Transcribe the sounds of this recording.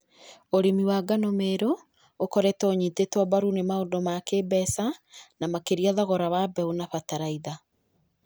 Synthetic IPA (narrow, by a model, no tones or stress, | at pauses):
oɾimiwaːɡanomeːɾoː | kɔɾɛtɔːɲitetɔbaɾunemaondomakebɛsanamakeɾiaðaɣɔɾawabɛonaɸataɾaiða